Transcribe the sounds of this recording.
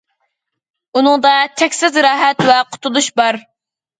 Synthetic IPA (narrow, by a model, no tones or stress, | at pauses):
unɨŋd̪ɑt̪ʰɛkʲsɪzɾɑːɦɛt̪vɛqʰʊ̥t̪ʰulˠuʃbɑɾ